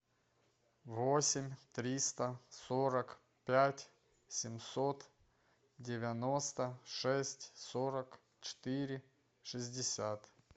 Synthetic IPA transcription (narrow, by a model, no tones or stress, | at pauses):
vosʲɪmʲt̪ɾʲist̪əsoɾək | pʲætʲ | sʲɪmsot̪ | dʲɪvʲɐnost̪əʂɛsʲtʲsoɾək | t͡ɕɪ̥t̪iɾʲɪ | ʂɨzʲdʲɪsʲat̪